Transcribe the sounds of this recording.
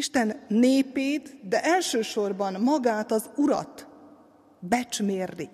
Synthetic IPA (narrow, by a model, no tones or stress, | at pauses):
iʃt̪ɛnːeːpeːt̪d̪ɛʔɛlʃøːʃo̞rbɒnmɒɡaːt̪ɒzuɾɒ̰t̪ | bɛt͡ʃmeːrːi